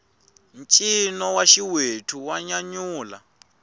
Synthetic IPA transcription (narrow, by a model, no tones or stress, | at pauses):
nt͡ʃʼinɔwaʃiwetʰuwaɲaɲuːla